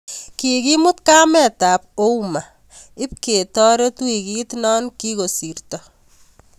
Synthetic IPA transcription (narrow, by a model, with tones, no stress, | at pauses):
ki˨ki˦mʊ˦tka˦mɛ˨ta˨p̚o˦uma˨ | ɪ˦p̚ke˨tɔ˦ɾe˦tu˦i˨ki˦tnɔ˦nki˦ko˨si˨rtɔ